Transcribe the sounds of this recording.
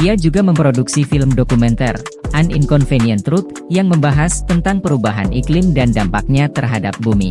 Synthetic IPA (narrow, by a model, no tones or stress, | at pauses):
iad͡ʒuɡaməmpɾoduksifɪlmdokumɛnt̪ɛrʔaniŋkɔnfeniənt̪ɾut̪̚ | jaŋməmbaɦast̪ənt̪aŋpəɾubaɦa̰nʔiklɪmdandampak̚ɲat̪ərɦadap̚bumḭ